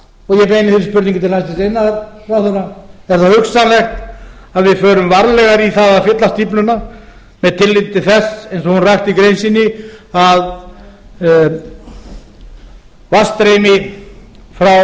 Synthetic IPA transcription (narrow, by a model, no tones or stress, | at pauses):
ɔɣjɛpejnɪθɪɾɪspʏɾt̪iŋkɪt̪ʰɪlhajst̪ɪst̪ejnːaðɾfɾawθœɾaɛɾ̥θahʏxsanlɛxt̪aðvɪðfœːɾʏmvaɾlɛɣaɾiθaðaðfɪt̪last̪iplʏna | mɛðt̪ʰɪlːɪt̪ɪθɛsejnsɔhunrajxt̪ikɾejnsinːɪað | vast̪ɾejmɪ | fɾaw